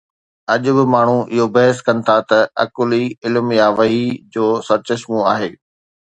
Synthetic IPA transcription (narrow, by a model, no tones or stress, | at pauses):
ɐʄʊbɪmaːɳ̤uʔɪɦobɐɦəskɐnɪ̆t̪ʰat̪ɐɐ̰kʊliɪlmjaːʋɐɦid͡ʑoːsɐɾt͡ɕɐʃmũa̰ːɦeː